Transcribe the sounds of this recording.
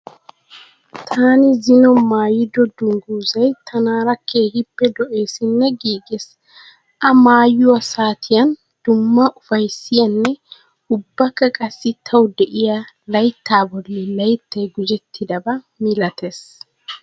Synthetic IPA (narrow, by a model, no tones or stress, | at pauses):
t̪ʰaːnɪzɪnɔmaːjɪd̪ɔd̪ʊŋɡuːzɐjt̪ʰɐnaːɾɐkʰːeːhɪpːɛd̪ɔʔe̞ːsɪnːɛɡiːɡɛs | ʔɐmaːjʊwɐsaːt̪ʰɪjɐn | d̪̥ʊmːɐʔʊfɐjsːɪjɐnːɛ | ʊbːɐkːɐkʼɐsːɪt̪ʰɐwd̪ɛʔɪja | lɐjt̪ːaːbɔlːɛlɐjt̪ːɐjɡʊd͡ʒɛt̪ːɪd̪ɐbɐ | mɪlɐt̪ʰes